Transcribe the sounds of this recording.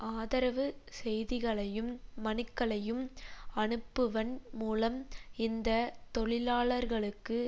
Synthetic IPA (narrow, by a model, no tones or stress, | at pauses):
ʔaːðɐɾɐʋɯsɛjðɪɣɐɭɐjɯmːɐnɯkːɐɭɐjɯmɐɳɯpːɯʋɐnmuːlɐmɪnd̪ɐt̪ɔɭɪlaːɭɐɾɣɐɭɯkːɯ